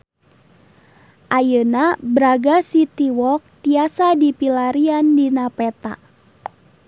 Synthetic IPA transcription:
ʔajənabɾaɡasit̪iwɔk̚t̪iasadipilaɾiandinapɛt̪a̰ʔ

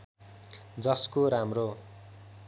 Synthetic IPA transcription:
d͡zʌskoɾamro

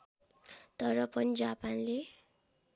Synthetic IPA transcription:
t̪ʌɾʌpʌnid͡zapanle

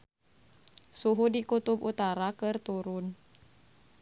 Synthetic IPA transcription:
suɦudikut̪ubut̪aɾakɨrt̪uɾʊn

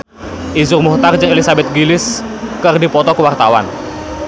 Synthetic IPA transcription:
ʔizʊrmuht̪ard͡ʒəŋelisabɛt̪̚ɡilɪskərdipɔt̪ɔkəwart̪awa̰n

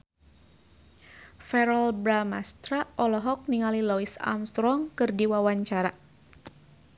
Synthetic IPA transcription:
fɛɾɔlbɾamast̪ɾaʔɔlɔɦɔk̚niŋalilɔisa̰mst̪ɾɔŋkɨrdiwawaɲt͡ʃaɾa

